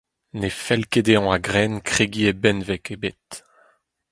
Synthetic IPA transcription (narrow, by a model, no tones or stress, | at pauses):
nefɛlked̪eɑ̃aɡʁɛnkχeɡiebɛnvɛkebet̪